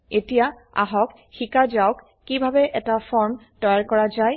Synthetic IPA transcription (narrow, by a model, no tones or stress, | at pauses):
etija | a̰ɦɔk | xikazawkːibʱabɛʔɛtafʰɔɹm | tɔjaɹkɔɹazaj